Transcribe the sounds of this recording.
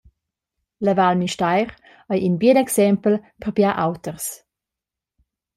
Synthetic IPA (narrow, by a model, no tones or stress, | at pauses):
ləvalmiʃtaɪʁ | ajʔinbiːdɛksɛmpl̩pʰəʁbjaʔawtəʁs